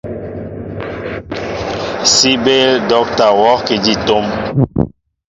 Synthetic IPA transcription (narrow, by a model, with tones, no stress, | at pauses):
si˦be˦ldɔ˦k̚ta˨wɔ˦ki˨d͡ʒi˦˨to˦m